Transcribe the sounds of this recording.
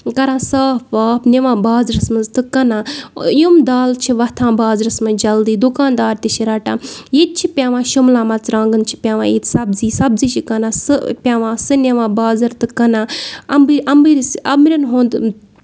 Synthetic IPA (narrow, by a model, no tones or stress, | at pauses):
kɐɾãːsaːpʋaːpnʲeʋãːbaːzɾɐsmɐnzt̪ɨkɐnãːjumd̪aːlt͡ʃʰiʋɐt̪ʰãːbaːzɾɐsmɐnd͡ʒɐld̪iːd̪ukaːnd̪aːɾt̪ʲit͡ʃʰiɾɐʈaːjet̪̚t͡ʃʰipʲjaːʋãːʃumlãːmɐt͡sɾãːŋɡɨnt͡ʃʰi̥pʲaːʋã̰ːit̪sɐbziːsɐbziːt͡ʃʰikɐnãːsɨpʲaːʋãːsɨnɐʋãːbaːzɐɾt̪ɨkɐnãːɐmbiɐmbiɾsɐmɾʲɐnɦõːnd̪